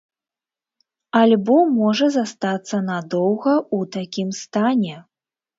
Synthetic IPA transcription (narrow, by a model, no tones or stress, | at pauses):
alʲbɔmɔʐɐzast̪at̪sːɐnad̪ɔwɣɐut̪akʲimst̪anʲɛ